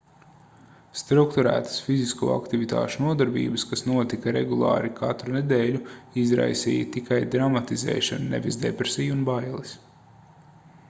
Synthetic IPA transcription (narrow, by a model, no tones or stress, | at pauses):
st̪ɾukt̪uɾæ̰ːt̪ə̥sfiziskṵːa̰kt̪ivit̪a̰ːʃunuɔd̪aɾbḭːbəskasnuɔt̪ikɐɾeɡulˠɑ̰ːɾikʰat̪ɾuned̪eːʎʲuizɾa̰jsḭːjɐt̪ikʰajd̪ɾamat̪izɛ̰ːʃannɛ̰vizd̪epɾesiːjunbajlˠis